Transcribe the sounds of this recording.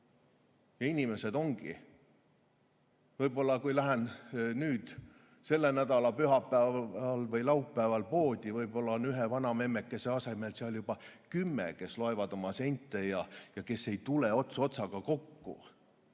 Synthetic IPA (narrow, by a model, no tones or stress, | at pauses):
jɑinʲime̞se̞d̪̥o̞ŋɡ̥i | vɤjbo̞lːɑkujlæɦennyːd̪̥ | se̞lːenæd̪ɑlɑpyɦɑpːæɑlvɤjlɑupːæːvɑlpo̞ːd̪̥ʲivɤjbo̞lːɑonyɦevɑnɑme̞mːekːˑe̞se̞ɑse̞me̞lseɑljub̥ɑkymːḛke̞slo̞evɑd̪̥o̞mɑse̞jnʲt̪ːˑe̞jɑjɑke̞sːe̞jt̪ule̞o̞t̪suo̞t̪sɑɡ̥ɑko̞kːṵ